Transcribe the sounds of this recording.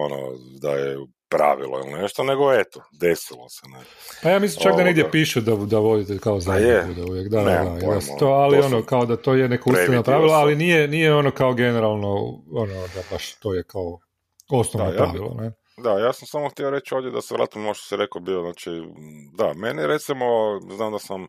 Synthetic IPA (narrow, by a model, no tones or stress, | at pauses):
ono̰d̪a̰jḛ | pɾa̰ʋḭlˠo̰ḭlnneʃt̪oneɡoet̪od̪esilˠo̰sɛnepajaːmislimt͡ʃakd̪aneɡd̪jepiːʃed̪ad̪aʋo̞d̪it̪ekaozaud̪auʋjekd̪aɛd̪aid̪ast̪oalio̞nokaod̪at̪oːjenekousnapɾaʋilaalinijenijeo̞nokaoɡe̞neɾalˠnoonod̪abaʃt̪oːjekao | o̞snoʋnopɾaʋilˠo̰ne | d̪ajaːsamsamoxt̪jioɾet͡ʃoʋd̪ʲjed̪aseʋɾa̰ːt̪imnooʃt̪o̥siɾekobioznaːt͡ʃid̪ameniɾet̪simoznaːmd̪asam